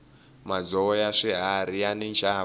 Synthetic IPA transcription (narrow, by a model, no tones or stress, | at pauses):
mad͡zɔɔjaʂɛɦaɾijanint͡ʃʰa